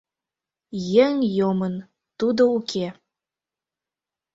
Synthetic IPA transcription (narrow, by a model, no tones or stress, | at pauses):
jeŋjomən | t̪ud̪oukʰe